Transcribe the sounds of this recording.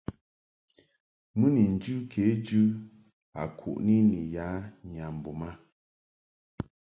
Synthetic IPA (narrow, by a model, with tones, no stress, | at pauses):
mɨ˦ni˨n̩˨d͡ʒʉ˦kʰe˨˦d͡ʒʉ˦ | a̰˨kʰṵ˨ʔni˦ni˨ja˨˦ɲa˨m̩˨bu˨ma˦